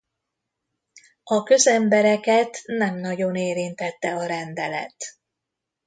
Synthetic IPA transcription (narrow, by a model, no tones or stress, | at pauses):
ɒkø̞zɛmbɛɾɛkɛt̪nɛmnɒɟo̞neːɾint̪ɛt̪ːɛɒɾɛnd̪ɛlɛ̰t̪